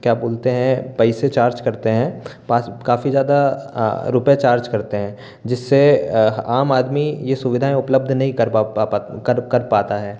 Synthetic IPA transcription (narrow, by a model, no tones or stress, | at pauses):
kjaːboːlt̪eɦɛ̃pɛɪset͡ʃaːɾd͡ʒkɐɾt̪eɦɛ̃ːpaːskaːfizjaːd̪a | ɾʊpjet͡ʃaːɾd͡ʒkɐɾt̪eɦɛ̃ː | d͡ʒɪsːeaːmaːd̪mijesʊʋɪd̪ʱaẽʊpləb̚d̪ʱnɐɦĩkɐɾ | kəɾkɐɾpaːt̪aɦɛː